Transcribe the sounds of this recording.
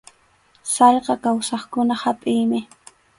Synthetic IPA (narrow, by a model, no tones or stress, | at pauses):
sɑʎqɑkawsɑχkʊnahapʼɪjmɪ